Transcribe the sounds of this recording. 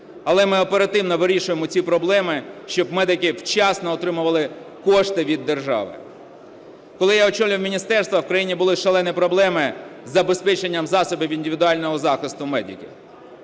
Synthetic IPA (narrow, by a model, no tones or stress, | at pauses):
ɐlˠɛmɪɔpeɾɐt̪ɪwnɔʋɪɾʲiʃʊjemɔt͡sʲipɾɔblˠɛmɪʃt͡ʃɔbmɛd̪ɪkɪwt͡ʃɑsnɔɔt̪ɾɪmʊʋɐlˠɪ | kɔʃt̪ɪʋʲid̪ːerʒɑ̰ʋɪ̰ | kɔlˠɪjaɔt͡ʃɔlʲʊwmʲinʲist̪ɛrst̪ʋɐwkɾɐjinʲibʊlˠɪʃɐlˠɛnɪpɾɔblˠɛmɪzɐbespɛt͡ʃenʲːɐmzɑsɔbʲɪʋinʲdʲɪʋʲɪd̪ʊɑlʲnɔɦɔzɑxɪst̪ʊmɛd̪ʲɪ̰kʲɪ̰